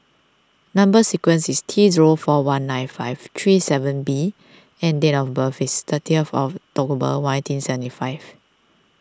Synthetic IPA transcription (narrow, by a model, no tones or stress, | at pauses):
nãmbəsikwə̃nsistʰiziɹofɔwãnːãjnfaɪvt̪ʰɹisɛvə̃nbi | ɛ̃ndɛnɔfbəfist̪ətʰiɛfɔ̰ftɔkbə̰wnãtĩnsɛvə̃ntifaɪv